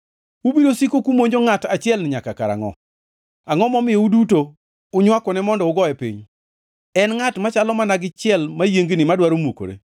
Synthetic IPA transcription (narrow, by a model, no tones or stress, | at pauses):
ubidosikokumoɲd͡ʒoŋatat͡ʃɪɛlnɪɲakaka̰ɾa̰ŋɔ̰ | aŋɔmɔmɪjɛuduto | ʊɲwakɔnɛmɔndɔʊɡɔɛpḭɲ | ɛnŋatmat͡ʃalɔmanaɡɪt͡ʃɪɛlmajeŋɡnɪmadwaɾomuko̰ɾḛ